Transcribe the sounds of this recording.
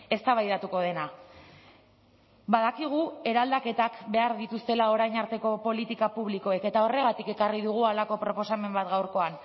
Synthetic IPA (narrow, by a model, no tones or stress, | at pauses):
e̞st̪aβ̞ajðat̪uko̞ð̞e̞na | baðakiɣ̞ue̞ɾald̪ake̞t̪akbe̞aɾðit̪ust̪e̞lao̞ɾajɲaɾt̪e̞ko̞po̞lit̪ikapuβ̞liko̞eke̞t̪ao̞re̞ɣ̞at̪ike̞kariðuɣ̞ualako̞pɾo̞po̞same̞mbat̪ɡawɾko̞an